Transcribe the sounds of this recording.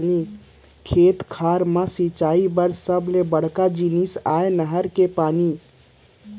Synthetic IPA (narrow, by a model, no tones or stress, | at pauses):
ni | kʰeːt̪kʰaːɾmãsit͡ʃaːibəɾsəbʱlebəɽ̤kad͡ʒinisaːenəɦəɾkepaːni